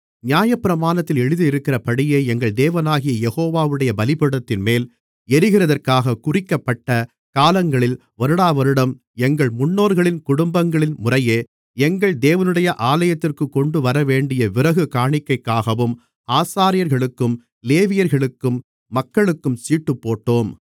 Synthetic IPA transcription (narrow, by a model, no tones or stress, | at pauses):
njaːjɐpːɪɾɐmaːnɐt̪ːɪlɛɻɯðɯɪɾɯkːɪrɐpɐɽɪjeːɛŋɡɐɭd̪eːʋɐnaːɣɪjɐjɛɣoːʋaːʋɯɽɐjɐbɐlɪpɐɽɐt̪ːɪnmeːl | ɛɾɯɣɪrɐðɐrkaːɣɐkʊrɪkːɐpːɐʈːɐ | kaːlɐŋɡɐɭɪl | ʋɐɾɯɽaːʋɐɾɯɽɐm | ɛŋɡɐɭmʊɳːoːɾɣɐɭɪnkʊɽʊmbɐŋɡɐɭɪnmʊrɐjeː | ɛŋɡɐɭd̪eːʋɐnɯɽɐjɐʔaːlɐjɐt̪ːɪrkɯkːɔɳɖɯʋɐɾɐʋeːɳɖɪjɐʋɪrɐɣɯkaːɳɪkːɐɪkːaːɣɐʋɯm | aːsaːɾɪjɐɾɣɐɭɯkːɯm | leːʋɪjɐɾɣɐɭɯkːɯmː | ɐkːɐɭɯkːɯmsiːʈːɯpːoːʈːoːm